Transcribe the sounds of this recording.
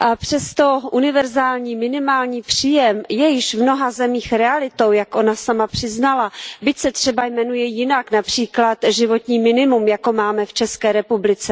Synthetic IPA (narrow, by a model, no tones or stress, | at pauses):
ʔapr̥ɛst̪o̞ʔunɪvɛɾzaːlɲiːmɪnɪmaːlɲiːpr̝̥iːjɛmjɛjɪʃvno̞ɦazɛmiːxɾɛalɪt̪o̞wjakʔo̞nasamapr̥ɪznalabɪcsɛt̪r̝̥ɛbajmɛnujɛjɪnaknapr̝̥iːklat̪ʒɪvo̞t̪ɲiːmɪnɪmumjako̞maːmɛft͡ʃɛskɛːɾɛpublɪt͡sɛ